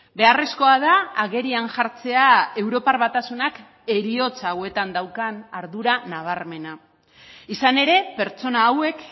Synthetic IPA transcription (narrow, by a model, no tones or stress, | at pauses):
be̞aresko̞aðaːɣe̞ɾianʝaɾt͡se̞ae̞wɾo̞parβat̪asunak | e̞ɾio̞t͡saːwe̞t̪and̪awkanaɾðuɾanaβ̞aɾme̞na | isane̞ɾe̞pe̞ɾt͡so̞naːwe̞k